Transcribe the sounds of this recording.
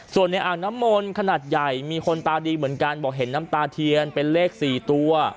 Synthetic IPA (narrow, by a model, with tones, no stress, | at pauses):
su˨˩ənːa˧jʔaː˨˩ŋ̚na˦˥mːo˧nkʰa˧naː˨˩t̪̚ja˨˩jmiː˧kʰo˧nt̪aː˧diː˧mɯ˩˦ənkaː˧nbɔː˨˩k̚ɦe˩˦nːaː˦˥mt̪aː˧t̪ʰi˧ənpe˧nleː˥˩k̚siː˨˩t̪u˧əɐ